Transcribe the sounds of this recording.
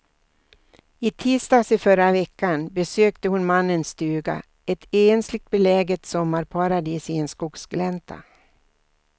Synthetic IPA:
ɪt̪ʰiːst̪ɑːsɪfœɾavɛkːanbɛsøːkt̪əhʊnmanːənst̪ʉːɡa̰ | ɛt̪ʰeːnslɪɡ̚t̪̚bɛlɛːɡɛt̪sɔmːaɾpʰaɾad̪iːsɪenskʊksɡlɛnt̪ʰa̰

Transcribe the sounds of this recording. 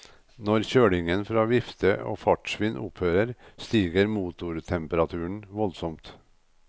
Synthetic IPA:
nɔɾçøːɽɪŋənfɾɑːʋɪft̪əo̰ːfɑʈʂʋɪːnʔʊ̰pʰhøːɾəɾst̪iːɡəɾmuːt̪ʊɾt̪ʰɛmpəɾɑt̪ʰʉːəɳʋɔlsɔmt̪

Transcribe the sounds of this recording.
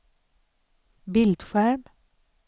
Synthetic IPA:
bɪld̪fæɹm

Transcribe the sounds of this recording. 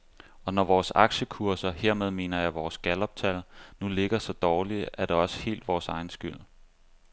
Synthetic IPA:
ɒ̽nɒʋɒːsɑ̈ɡ̥ɕəkʰuɐsɐheɐ̰með̞ˠme̝̰ːnɐjɑ̈ɪʋɒːsɡ̥ælɒ̽b̥t͡sʰælnule̝ɡ̥ɐsɒ̽d̥ɒːliʔæd̥eɒ̽sə̥he̝̰ːld̥ʋɒːsɑ̈ɪn̩sɡ̥yl̰

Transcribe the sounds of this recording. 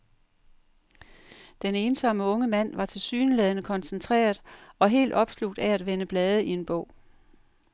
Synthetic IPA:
d̥ene̝ːnsɒ̽məɔ̽ŋəmæn̰ʋɑ̈t͡sʰe̝lsyːnəleðˠnəkʰɒ̽nsənt͡sʰʁɛ̰ːɐð̩ˠɒ̽ɦe̝̰ːld̥ɒ̽b̥sluɡ̥d̥ææd̥ʋenəb̥lɛːð̞ˠəie̝nb̥ɔʊ̰

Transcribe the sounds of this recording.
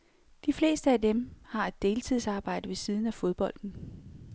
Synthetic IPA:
d̥ifle̝̰ːsd̥əæd̥emhɑ̈e̝d̥̚ːe̝ːlt͡sʰið̞̰ˠsɑ̈ːb̥ɑ̈ɪ̰d̥əʋe̝sið̞ˠn̩æfo̝ð̞ˠb̥ɒ̽l̰d̥n̩

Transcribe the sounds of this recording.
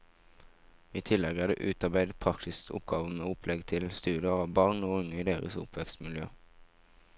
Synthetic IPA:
iːt̪ʰɪlɛɡæːdḛːʔʉːt̪ɑʁbæɪd̪pʰʁɑkt̪ɪst̪ʰʊ̰p̚ɡɑːʋn̩oːʊpʰlɛɡt̪ʰɪlst̪ʉːd̪əʁɑːʋbɑːʁnoːʊŋəiːd̪eːʁə̰sʊ̰pʰʋɛkst̪mɪljø̰ː

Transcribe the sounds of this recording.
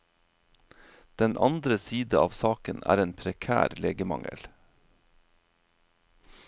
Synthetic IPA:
d̪̥ɛnʔɑ̰nd̪ɾəsiːd̪əɑːʋsɑːkənæ̰ːɾeːnpʰɾɛkʰæ̰ːɾleːɡəmɑŋə̰l

